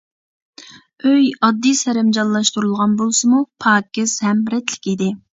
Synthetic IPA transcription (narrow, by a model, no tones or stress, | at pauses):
øjɑd̪ːisɛɾɛmd͡ʒɑnlˠɑʃt̪uɾulˠʁɑnbolˠsɨmupʰɑːkʲɪz̥hɛmɾɛt̪ʰlɪ̥kʲid̪ɪ